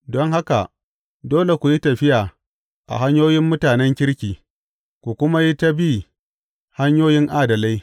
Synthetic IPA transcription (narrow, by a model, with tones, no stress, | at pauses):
dɔ˦ŋɦa˦ka˨ʔ | doː˦le˨kʷu˨ji˦tɐ˨ɸɪ˦jaː˨ | ʔa̰˨ɦa˦ɲjoː˦jɪ˦mːʊ˦taː˨nɛ˦ŋkʲɪ˦ɽkʲiː˨ | kʷu˨kʷʊ˦ma˦ji˦ta˦bi˦ | ha˦ɲjoː˦jɪ˦ŋʔaː˦dɐ˨la˦j